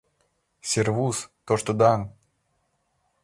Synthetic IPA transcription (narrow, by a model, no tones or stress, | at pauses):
sʲɪrvust̪oʂt̪od̪an